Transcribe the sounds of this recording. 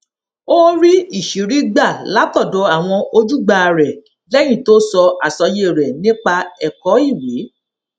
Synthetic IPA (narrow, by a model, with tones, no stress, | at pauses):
o˦ɾi˦i˦˨ʃi˨˦ɾi˦ɡ͡ba˦˨la˨˦tɔ˦˨dɔ˨˦a˦˨w̃ɔ̃˧o˧d͡ʒu˦ɡ͡ba˧ɾɛ˨ | lɛ˦j̃ĩ˦˨to˦sɔ˧a˨sɔ˧je˦˨ɾɛ˨nĩ˦k͡pa˧ɛ˨kɔ˨˦i˦˨we˨˦